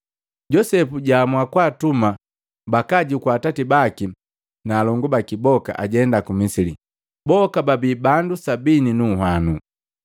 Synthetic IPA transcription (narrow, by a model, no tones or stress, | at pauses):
ɟɔsɛpuɟamwakwaːtuma | bakaɟikwaːtatibaki | naːlɔŋɡubakibɔka̰ʔaɟɛndakumisili | bɔkababiːbandusabininuɦanu